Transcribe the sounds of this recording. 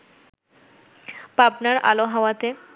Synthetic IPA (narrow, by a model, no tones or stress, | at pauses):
papnaɾʔa̰loɦawat̪e